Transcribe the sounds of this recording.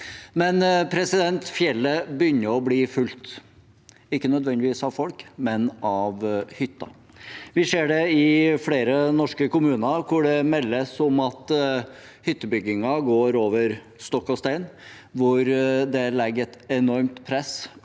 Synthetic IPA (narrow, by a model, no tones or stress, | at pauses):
mɛnpʰɾɛsɪd̪ɛnt̪fjɛlːəbəjʏnːəɾɔbliːfʉlt̪ | ɪkːənœd̪ʋɛnd̪ɪʋiːsɑʋfɔlkmɛnɑʋhʏt̪ːɑ̰ | ʋɪseːɖɛɪfɽeːɾənɔʂkəkʊmʉːnɑɾkʰʊɖɛmɛlːəsɔmɑt̪ | hʏt̪ːəbʏɡɪŋɑɡoːɾoːʋəɾ | st̪ɔkːɔst̪æɪn | ʋʊɾd̪ɛlɛɡəɾɛt̪ɛnɔɾmt̪pʰɾɛs